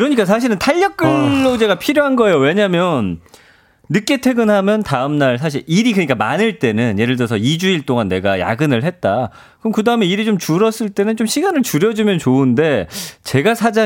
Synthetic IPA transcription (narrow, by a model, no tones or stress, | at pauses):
kɯɾʌɲik͈as̬ʰaɕ̬ʰiɾɯntʰaʎːʌk͈̚ɯːot͡ɕe̞ɡapʰiɾjoɦanɡʌe̞jowe̞ɲamjʌnː | ɯk͈e̞tʰe̞ɡɯnɦamjʌntaɯmnaɭs̬ʰaɕ̬ʰiɭiɾikɯɲik͈amanɯɭt͈e̞nɯnje̞ɾɯɭdʌsʰʌid͡ʑuiɭt͈oŋanːe̞ɡaja̰ɡɯnɯɭɦe̞t̚t͈a | kɯʌmkɯdaɯme̞iɾit͡ɕomt͡ɕuɾʌs͈ɯɭt͈e̞nɯnt͡ɕomɕʰiɡanɯɭt͡ɕuɾjʌd͡ʑumjʌnt͡ɕoɯnde̞t͡ɕe̞ɡasʰad͡ʑa